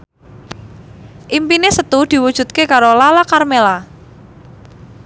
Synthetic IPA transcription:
ʔimpinesət̪ud̪̥i̤wud̥ʒ̥ṳt̪̚kekaɾolalakarmela

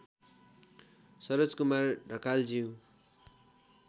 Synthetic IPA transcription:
sʌɾod͡zkumarɖʱʌkald͡ziũ

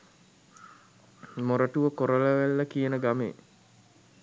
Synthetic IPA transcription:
moɾəʈuʋəkoɾələʋælːəkijənəɡamḛː

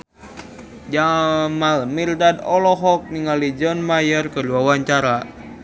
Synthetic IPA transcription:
d͡ʒamalmirdadɔlɔɦɔk̚niŋalid͡ʒɔnmajərkəduawaɲt͡ʃaɾa

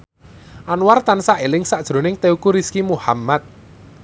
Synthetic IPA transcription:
ʔanwart̪ansaʔelɪŋsaʔd̥ʒ̥ɾo̤nɪŋt̪eukuɾiskimuhamːat̪̚

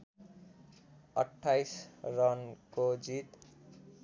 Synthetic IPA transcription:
ʌ̰ʈʰːajsrʌnkod͡zit̪

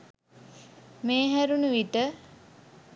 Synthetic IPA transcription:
meːɦæɾunəʋiʈə

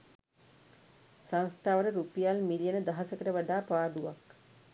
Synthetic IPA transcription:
sãnst̪ʰaːʋəɾəɾupijalmilijənəd̪aɦasəkəʈəʋaɖaːpaːɖuʋak

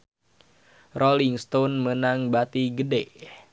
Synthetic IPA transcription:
roliŋst̪onmənaŋbat̪iɡədeʔ

